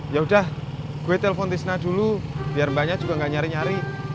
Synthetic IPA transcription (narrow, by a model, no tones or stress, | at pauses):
jaɦudah | ɡ̥uwet̪elefɔnt̪isnadulub̥iarmbaɲad͡ʒuɡaŋɡaʔɲaɾiɲaɾi